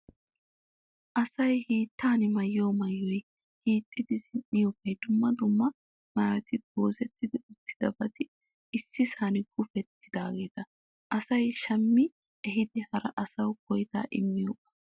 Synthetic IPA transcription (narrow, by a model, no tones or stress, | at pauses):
ʔɐsɐjhiːt̪ːaːnɪmɐjːoːmɐjːɔj | hiːt̪ʼːɪd̪ɪzɪnʔɪjoːkːɐjd̪ʊmːɐd̪ʊmːɐ | maːɾɛt̪ɪɡoːzɛt̪ːɪd̪ɪʊt̪ːɪ̥d̪ɐbɐt̪ɪ | ɪsːɪsaːnɪɡʊfɛt̪ːɪd̪aːɡe̞ːt̪ɐ | ʔɐsɐjʃɐmːɪ | ɛɦɪd̪ɪhɐɾɐʔɐsɐwkɔjt̪a̰ːʔɪ̰mːɪjoːkʼːɐ̥